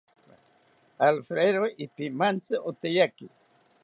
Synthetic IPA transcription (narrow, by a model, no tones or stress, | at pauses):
alfɾeɾoɪpimant͡sɨʔot̪ejakɪ